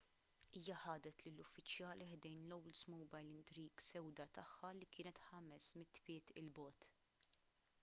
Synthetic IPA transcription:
iːjɐħɐːd̪ɛt̪lɪlʊfːɪt͡ʃjɐːliħd̪ɛjnlɔwlsmɔwbɐjlɪnt̪ɾiːɡsɛwd̪ɐt̪ɐħːɐlikɪːnɛt̪ħɐmɛsmɪt̪ːpɪːt̪ɪ̰lbɔːt̪

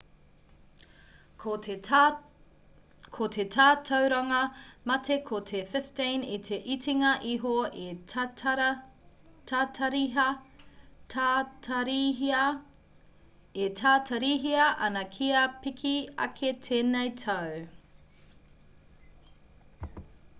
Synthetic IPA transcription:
o | kʰotʰetʰaːtʰɐwɾɐŋɐmɐtʰe̞kʰotʰefɪftinitʰe̞ʔitʰiŋɐʔiɦoe | tatʰɐɾi | ɾ | etʰaːtʰɐɾiɦiɐʔɐnɐkʰiɐpikʰiɐ̰kʰetʰenɐjtʰɐw

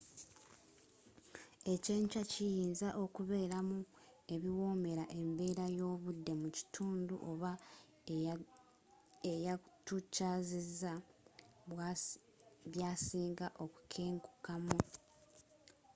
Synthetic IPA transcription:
e̞ce̞ːɲt͡ʃacijiːnzaʔo̞kuβe̞ːɾamu | e̞βiwo̞ːme̞ɾaʔe̞mbe̞ːɾajo̞ːβudːe̞muci̥tʰuːndṵʔo̞βa | ejatucaːziza | βjaːsiːŋɡaʔo̞ku̥kʰeːŋku̥kamu

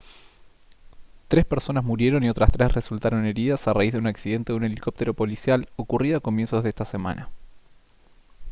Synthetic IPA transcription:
t̪ɾe̞spe̞ɾso̞nazmuɾje̞ɾo̞nio̞t̪ɾast̪ɾe̞sre̞sult̪aɾo̞ne̞ɾiðasaraizðeunaksið̞e̞nt̪e̞ðune̞liko̞p̚t̪e̞ɾo̞po̞lisjalo̞kuriðoako̞mje̞nsoðest̪ase̞mã̰na

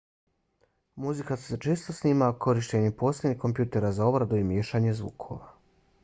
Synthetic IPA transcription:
muzikasset͡ʃeːst̪osniːmakʰo̞ɾiʃt͡ɕeɲepo̞ːslʲed̪nihko̞mpjuːt̪e̞ɾazao̞bɾad̪uimjeːʃaɲezʋṵːkʰo̞̰ʋa

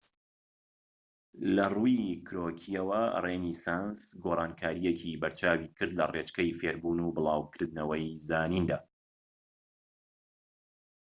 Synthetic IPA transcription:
lɐruikʰɾoːkʰiɐwɐ̰renisansɡoːrˤɑːnkʰaːɾijecʰibɐɾt͡ʃʰaːwiːkʰɨɾd̪lɐreːt͡ʃkɐjfeːɾbuːnuːbɨlˠɑːwkʰɨɾd̪nɐwɐjzaːnind̪aː

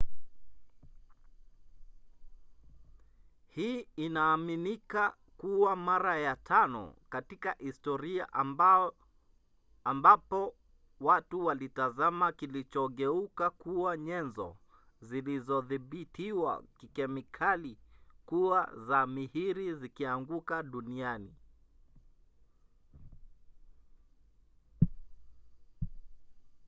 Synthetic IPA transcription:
hiːinaːminika | kuwamaɾajatʰanɔ̰katikahistɔɾia̰ʔ | mbapɔ | watuwalitazamakilit͡ʃɔɠɛukakuwaɲɛnzɔ̰ | zilizɔðiɓitiwa̰kikɛmikʰalikua̰zamihiɾizikiaŋɡukaɗuniani

